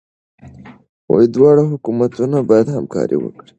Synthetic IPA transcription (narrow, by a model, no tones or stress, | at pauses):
wajid̪wɑɽaɦʊkumat̪unabɑjad̪hamkɑ̰ɾḭwə̰kɽi̥